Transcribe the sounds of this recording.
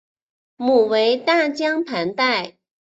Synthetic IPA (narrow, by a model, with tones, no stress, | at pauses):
mu˨˩we˧˥ɪt̪a˥˩t͡ɕjɑ˥ŋpʰa˧˥nt̪a˥˩ɪ